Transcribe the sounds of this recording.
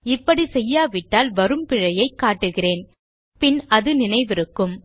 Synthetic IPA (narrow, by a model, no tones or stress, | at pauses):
ɪpːɐɽisɛjːaːʋɪʈːaːlʋɐɾɯmpɪɻɐjɐɪkːaːʈːɯɣɪreːn | pɪnʔɐðɯnɪnɐɪʋɪɾɯkːɯm